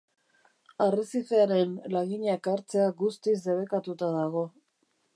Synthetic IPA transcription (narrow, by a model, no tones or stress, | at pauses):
arisiθeaɾe̞nlaɣiɲakaɾt͡se̞aɡust̪is̬e̞βe̞kat̪ut̪aðaɣ̞o̞